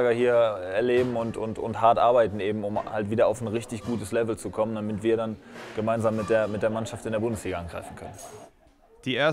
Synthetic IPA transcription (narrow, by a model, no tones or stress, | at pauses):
ɡɐhiːɐɛɐleːbm̩ʊntʊ̰ntʊ̰nthaɐtʔaɐbaɪtn̩eːbm̩ʊmhaltv̥iːdɐaʊfn̩ʁɪçtɪçɡ̥uːtəslɛvl̩t͡sukʰɔməndamɪtv̥iːɐdanɡ̥əmaɪnzaːmːɪt̚d̥eːɐmɪt̚d̥eːɐmanʃaftɪndeːɐbʊndəsliːɡaanɡʁa̰ɪfn̩kʰœnən | d̥iːeːɐ